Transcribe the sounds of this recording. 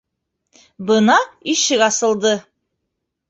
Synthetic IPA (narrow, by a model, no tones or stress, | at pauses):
bɤnɑiʃɘkɑsɤ̆lˠd̪ɤ